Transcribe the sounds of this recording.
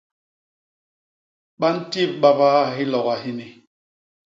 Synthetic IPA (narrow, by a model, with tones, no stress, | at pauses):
ɓa˦n̩˦ti˦˨ɓa˦baː˦ɦi˦lɔ˨ɣa˨ɦi˦ni˨